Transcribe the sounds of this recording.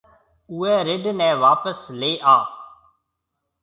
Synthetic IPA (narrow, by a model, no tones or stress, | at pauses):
ʊːɛːɾɪɖnɛ̃ːʋaːpəsleːʔaː